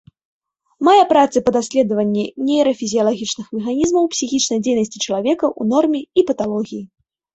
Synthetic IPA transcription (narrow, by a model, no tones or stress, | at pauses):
majɛpɾat̪sɨpɐd̪asʲlʲɛd̪ɐvɐnʲːinʲejɾɐfʲizʲijɐlˠaɣʲit͡ʂnɨxmʲɛxanʲizmɐwpsʲixʲit͡ʂnɐjd͡zʲejnɐsʲt͡sʲit͡ʂɐlˠavʲɛkɐʔunɔrmʲɛipɐt̪alˠɔɣʲiji